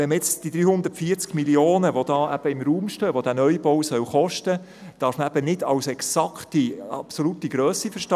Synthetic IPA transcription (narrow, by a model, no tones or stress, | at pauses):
ɛnməjɛt͡sd̥id̪ɾyːhʊnd̪ətfiəɾt͡skmiljoːnəʋodɑːʔæb̥əɪmɾuːmʃtøːʋod̥æːnœjbowsœwχɔʃtə | d̥ɑːɾfməæbənɪdɑwsɛksɑktiɑpsolutiɡɾøːsifəʃtɑ